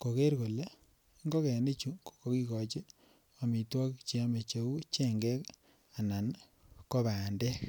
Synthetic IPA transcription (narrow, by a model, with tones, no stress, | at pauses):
ko˨ke˦ɾko˨le˦ | ŋɡo˦kɛ˨ne˦t͡ʃu˦kko˦ki˦kɔ˨t͡ʃe˦ | ɔ˨mi˨twɔ˦kt͡ʃi˨a˦me˨t͡ʃe˨u˦t͡ʃe˦ŋɡɛ˦k | a˨na˨n | ko˦βa˨nde˦k